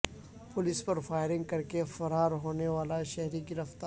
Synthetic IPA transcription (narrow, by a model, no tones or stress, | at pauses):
pʊlɪspɐɾfaːɪɾɪ̃ŋɡ̚kɐɾkefɐɾaːɾɦoːneʋaːlaʃɛɦɾiɡɪɾəft̪aː